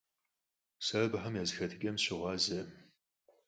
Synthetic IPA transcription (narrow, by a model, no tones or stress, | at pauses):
sɐːbɦɐmjaːzɨxɐtʰɨkʲʼɐmɕɪʁʷɑːzɐ